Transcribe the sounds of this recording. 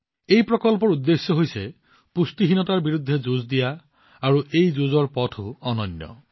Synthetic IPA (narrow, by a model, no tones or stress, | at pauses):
ejpɹɔkɔlp̬ɔɹud̪ːesjɔɦojse | pust̪iɦinɔtaɹbiɹud̪ʱːed͡ʒuzd̪ijaː | ɹuʔejd͡ʒuzɔɹpɔtʰuɔnɔnjɔ̰